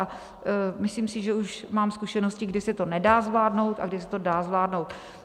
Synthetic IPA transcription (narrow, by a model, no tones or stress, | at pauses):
a | mɪsliːmsɪʒɛuʃmaːmskuʃɛnoscɪɡdɪsɛt̪o̞nɛdaːzvlaːdno̞wt̪ʔa̰ɡdɪsɛt̪odaːzvlaːdno̞wt̪